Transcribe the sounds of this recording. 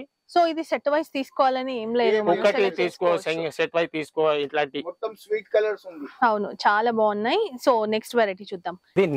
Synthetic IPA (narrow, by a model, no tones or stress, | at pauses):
so̞ːid̪iseʈʋɐjst̪iːsu̥kɔːʋaːlɐnieːmle̞d̪uukːɐʈit̪iːsu̥kɔːʋseŋseʈʋɐjst̪iːsu̥kɔːʋaliʈlaːɳʈimɔt̪ːɐmsʋiːʈkɐlɐɾsund̪iɐwnut͡ʃaːlaːbaːɐnːaːjisoːneksʈʋeːɾɐʈit͡ʃud̪ːaːmd̪iːn